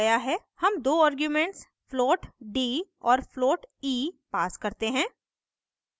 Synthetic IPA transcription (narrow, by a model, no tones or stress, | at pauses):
jaɦɛ | hɐmd̪oːaːɾɡjumẽɳʈs | floːʈɖiːɔːɾfloːʈiːpaːskɐɾt̪eɦɛ̃ː